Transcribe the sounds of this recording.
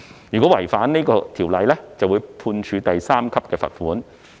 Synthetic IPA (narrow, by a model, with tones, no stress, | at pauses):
jyː˨kɔ˨˥wɐ˨˩jfaː˨˥nne˥kɔː˧t̪ʰiː˨˩wlɐ˨jlɛ˥t͡sɐ˨wuː˨˧jpʰuː˧nt͡ʃʰyː˨˧t̪ɐ˨jsaː˥mkʰɐ˥p̚kɛː˧fɐ̰˨t̚fuː˨˥n